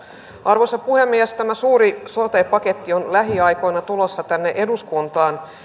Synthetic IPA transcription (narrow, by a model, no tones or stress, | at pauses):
ʔɑrʋosɑpuhe̞mːiæst̪æmæsuːɾisot̪epɑke̞t̪ːio̞nlæɦiɑjko̞jnɑt̪ulo̞sːɑt̪ænːeʔe̞duskunt̪ɑːn